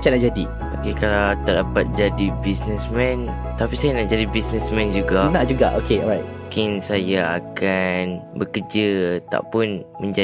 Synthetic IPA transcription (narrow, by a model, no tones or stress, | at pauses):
at͡ʃanaʔd͡ʒadi | okekalawt̪ədapat̪̚d͡ʒadibisnəsmɛ̃nt̪apisajanaʔd͡ʒadibisnəsmɛ̃nd͡ʒuɡanaʔd͡ʒuɡaʔokeɔɹajt̚ | kɪnsajaakanbəkəd͡ʒət̪a̰ʔpʊn | mə̃ɲd͡ʒa